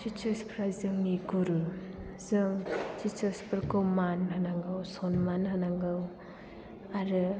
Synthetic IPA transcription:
t͡ʃit͡ʃɐspʰɾajzɯŋniɡuɾɯzɯŋt͡ʃit͡ʃɐspʰɯɾkɯwmanhanaŋɡɯwsɔnmanɦanaŋɡɯw | aɾɯ

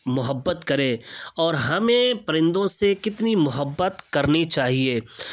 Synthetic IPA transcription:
mʊɦəbːət̪kɐɾẽɔːɾɦɐmẽpɾɪ̃nd̪õsekɪt̪nimʊɦəbːət̪kɐɾnit͡ʃaːɦieː

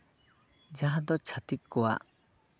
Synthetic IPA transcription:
d͡ʒaɦad̪ɔt͡ʃʰat̪ikːua̰

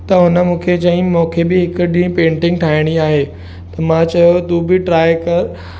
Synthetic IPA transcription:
t̪ɐɦʊnə̆mũːkʰet͡ɕɐɦɪ̃mũːkʰebɪɦɪkʊɗĩːpẽːɳʈɪ̃ŋɡʈʰaːɪɽ̃iaːɦeː | t̪ɐmãt͡ɕɐjot̪uːbɪʈɾaːjkɐɾ

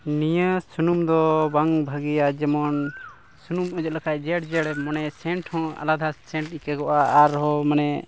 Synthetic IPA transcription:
nijasunumd̪ɔbaŋbʱaɡijad͡ʒɛmɔn | sunumɔd͡ʒɛt̪̚lakʰaʔd͡ʒɛɽd͡ʒɛɽmɔnɛsɛɳʈhɔ̃a̰lad̪ʱasɛɳʈikɛkɔʔaːɾɦɔmanɛ

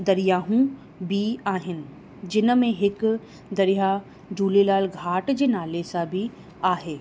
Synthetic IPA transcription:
d̪ɐɾijaːɦũ | bʱiaːɦɪnɪ̆ | d͡ʑɪnmẽɦɪk | d̪ɐɾɪja | d͡ʒuːlelaːlɡʱaːʈd͡ʑeːnaːlesãbʱi | aːɦeː

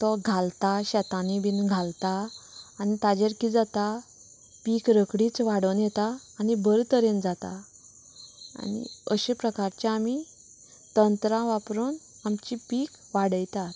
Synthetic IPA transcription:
t̪ɔɡʱalt̪aɕɛt̪anibinɡʱalt̪aːnit̪ad͡ʑeɾkid͡zat̪a | pikɾəkɽiːt͡sʋaɽənjɛt̪aː | nibəɾt̪əɾend͡zat̪a̰ | a̰nḭəɕẽpɾəkaɾt͡ɕeami | t̪ənt̪ɾãʋapɾon | amt͡ɕipik | ʋaɽəjt̪at̪

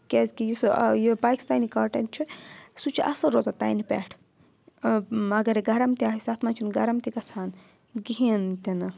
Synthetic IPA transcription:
kʲezʲkijisjibaːjkst̪aːjnikaːɾʈɐnt͡ʃʰusut͡ʃʰiʔɐsɐɾoːzat̪a̰ːjnipʲɛ̰ʈʰ | ɐɡɐɾeɡɐɾɐmt̪iaːɦisaːt̪ʰmaːt͡ʃʰunɡɐɾɐmt̪ikɐsʰaːn | ɡiɦint̪inɨ

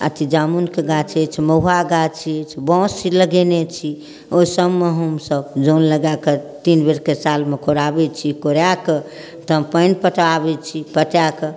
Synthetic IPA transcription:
ə̰t̪ʰid͡ʒamunkeɡat͡ʃʰet͡ʃʰməuaɡat͡ʃʰiet͡ʃʰbɔ̃siləɡenet͡ʃʰi | osəbmeɦəmsəbd͡ʒonləɡaket̪inbeɾkesalmekʰoɾabɛt͡ʃʰikoɾjake | t̪əpənpəʈabɛt͡ʃʰipəʈjake

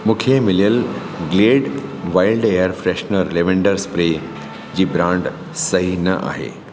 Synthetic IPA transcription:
mũːkʰemɪlijəl | ɡleːɖʋaɪilɖeːəɾfɾeʃnəɾleʋẽɳɖəɾspɾe | d͡ʑiːbɾãɳɖ | sɐɦinɐʔa̰ɦḛ

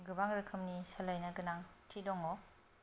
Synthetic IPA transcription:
ɡɯbaŋɾɯkʰɯmnisalajnɐɡɯnaŋtʰidɔŋɔ

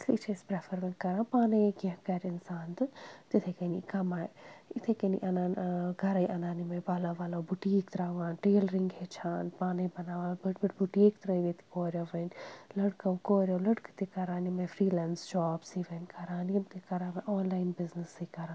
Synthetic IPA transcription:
slḭt͡ʃʰespɾefɐɾmɐ̃nkɐɾãːnpaːneɡɐ̃kɐɾɪnsaːnt̪ɨt̪it̪ʰekɐnikɐmaːjit̪ʰekɐnḭʔɐnaːnɡɐɾɐjʔɐnaːnimpɐlaʋɐloːbuʈiːkt̪ɾaːʋaːnʈeːlɾiŋɡɦet͡ʃʰaːnpaːnebɐnaːʋalbɐʈbiʈbuʈiːkt̪ɾɐʋet̪i̥koːɾʲjoʋɐnlɐɽkɐkoːɾʲjolɐɽkɨ̥t̪ikɐɾaːnimɐfɾiːlɛnsd͡ʒaːbsiʋɐnkɐɾaːnjɐmt̪ikɐɾaːmɐʔɔːnlaːjnbɪznɨsikɐɾãː

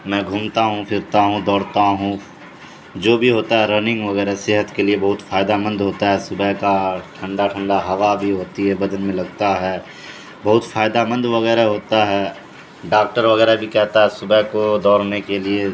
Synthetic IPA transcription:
mɛ̃ːɡʱʊmt̪aɦũfʰɪɾt̪aɦũd̪ɔːɽt̪aɦũ | d͡ʒoːbʱiɦoːt̪aɦɛɾənɪ̃ŋɡʋɐɣɛːɾasɪɦət̪keliebɐɦʊt̪faːjd̪amə̃nd̪ɦoːt̪aɦɛsʊbəɦkaʈʰɐ̃ɳɖaʈʰə̃ɳɖaɦɐʋabʱiɦoːt̪iɦɛbɐd̪ənmẽlɐɡt̪aɦɛː | bɐɦʊt̪fʰaːjd̪amə̃nd̪ʋɐɣɛːɾaɦoːt̪aɦɛː | ɖaːk̚ʈəɾʋɐɣɛːɾabʱikɛɦt̪aɦɛsʊbʱəɦkod̪ɔːɾnekelie

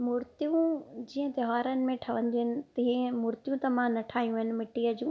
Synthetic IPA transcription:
mʊɾt̪ijũd͡ʑiːə̃t̪ɐɦaːɾənɪ̆mẽʈʰɐʋ̤ə̃nd̪iɦɪnɪ̆t̪ɐ̃mʊɾt̪ijũt̪ɐmãnɐʈʰaːijũɪnɪ̆mɪʈiːəd͡ʑũː

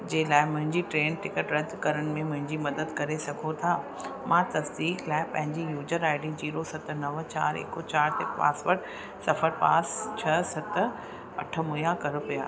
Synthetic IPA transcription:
d͡ʑɐɦɪlaːɪmʊ̃ɦɪ̃ɲd͡ʑiʈɾeːnʈɪkəʈɾɐd̪kɐɾəɽ̃ɪ̆mẽmʊ̃ɦɪ̃ɲd͡ʑimɐd̪əd̪kɐɾesɐɡʱot̪ʰaː | mãt̪ɐsd̪iːklaːɪpɐ̰̃ɦɪ̃ɲd͡ʑijuːd͡ʑəɾaːɪɖĩd͡ʑiːɾosɐt̪nɐʋt͡ɕaːɾḛːkot͡ɕaːɾt̪ɪkpa̰ːsʋəʈ | sɐfəɾpa̰ːst͡ɕʰɐsɐt̪ | ɐʈʰə̆mʊjakɐɾpija̰ː

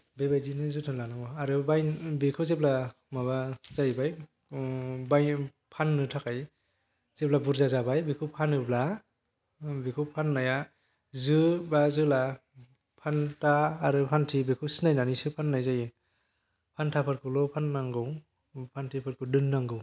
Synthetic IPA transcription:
bebajdinɯzɯtʰɯnlanamɔaɾɯbajbekʰɯwzepla | mabazajbaj | baj | pʰanːɯtʰakʰaj | z̥ep̚labuɾzazabajbikʰɯwpʰanɯbla | bekʰɯpʰanːaja | zɯbazɯla | pʰantaːɾɯpʰantʰibekʰɯwsinajnanisɯpʰanːajzajɯ | pʰantʰapʰɯɾkʰɯlɔpʰanːaŋɡɯw | pʰantʰipʰɯɾ̚kʰɯdɯnːaŋɡɯw

